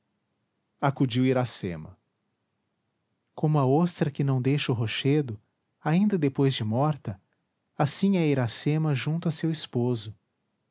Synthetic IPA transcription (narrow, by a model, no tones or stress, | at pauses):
akud͡ʒiwiɾasemɐ̰ | kõmʊɐost̪ɾɐkɪnɐ̃w̃d̪ejʃʊɦoʃed̪ʊ | aĩnd̪ɐd̪epojzd͡ʒɪmɔɾt̪ɐ | asĩɛiɾasemɐʒũnt̪ʊɐsewispozʊ